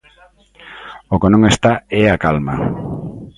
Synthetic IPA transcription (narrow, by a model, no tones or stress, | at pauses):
okenõŋest̪aeakalma̰